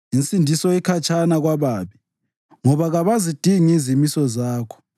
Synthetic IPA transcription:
insʼindʱisɔɛkʰat͡ʃʰʼanaɣwaβaːβi | ŋɔβaɣaβazid̥ʱiŋizimisɔzaːkʰɔ̥

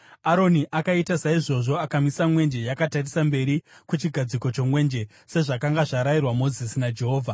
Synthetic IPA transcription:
aɾo̞niʔakaitasaiʐo̞ʐo̞akamisamwe̞nd͡ʒe̞jakatarisambe̞ɾikut͡ʃiɡʱad͡ziko̞t͡ʃo̞mwe̞nd͡ʒe̞ | se̞ʐakaŋɡaʐaɾajirwamo̞zisinad͡ʒe̞ɦo̞ːvʱa

